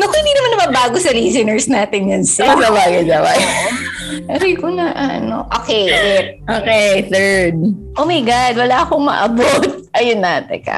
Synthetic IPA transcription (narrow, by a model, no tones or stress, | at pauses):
nokohɪnd̪iːnɐmanɐmɐbaːɡosɐliːs̬ɛnɛɹsnaːt̪ɪnjɐnsɛzɐwaːɡɐzɐwaɡ | pɛɾojkʊnɐʔɐɐ̰no̰ʔoːkɛjɛ | ʔoːkɛθɛ˞d̪̚ʔoːmɐjɡad̪̚wɐlaːɐkoŋmɐ̰ʔɐbot̪̚ʔɐjʊnːaːt̪ɛ̰kɐ̰